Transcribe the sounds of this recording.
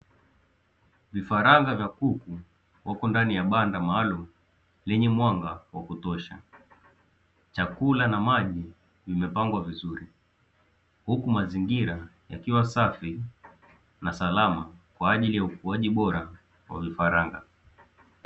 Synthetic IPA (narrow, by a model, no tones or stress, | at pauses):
vifaɾaŋɡavjakuku | wʔakɔndanijaɓandamaːlum̩ | lɛɲɛmwaŋɡawakutɔʃa̰ | t͡ʃakulanamaʄi | vimɛpaŋɡwavizuɾi | hukumaziŋɡiɾa | ja̰kiwasafi | nasalamakwaːʄilijaukuaʄiɓɔɾa | wa̰vifaɾaŋɡa̰